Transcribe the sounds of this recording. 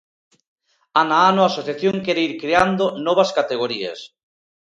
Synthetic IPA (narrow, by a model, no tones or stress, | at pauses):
anaanoasoθjaθjoŋkeɾeiɾkɾeand̪onɔβaskat̪eɣoɾiḛs